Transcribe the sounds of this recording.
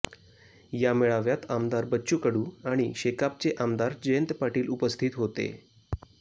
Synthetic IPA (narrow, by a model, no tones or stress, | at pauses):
jamɛɭaʋjat̪amd̪aɾbəːɕukəɽuːaɽ̃iɕekap̚t͡seʔamd̪aɾd͡ʑəjənt̪paʈiːlupəst̪ʰit̪ɦot̪ḛ